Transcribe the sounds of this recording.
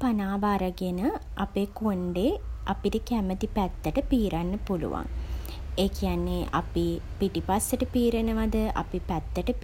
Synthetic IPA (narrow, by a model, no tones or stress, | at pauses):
panaːʋaɾaɡenə | apeːkoɳɖeʔapiʈəkæmət̪ipæt̪ːəʈəpiːɾanːəpulṵʋa̰ŋ | eːkijanːeʔapipiʈipasːəʈəpiːɾənəʋad̪əʔa̰pipæt̪ːəʈəp